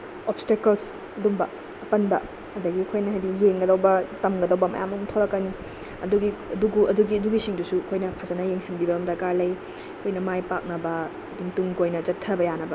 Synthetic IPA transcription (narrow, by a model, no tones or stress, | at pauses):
opstekɐls | ɐdumbɐ | ɐpɐnbɐ | ɐdɐɡiɐkʰojnɐɦajdijeŋɡɐdɐwbɐtɐmɡɐdɐwbɐmɐ̰ja̰muŋtʰoɾɐkːɐni | ɐ̰duɡiɐduɡuʔɐduɡiɐduɡisiŋdusuɐkʰojnɐpʰɐzɐnɐjeŋsʰɐnbibɐbɐmdɐkaɾlɐj | kʰojnɐmajpak̚nɐbɐ | duŋtuŋkojnɐt͡ʃɐtʰːɐbɐjanɐbɐ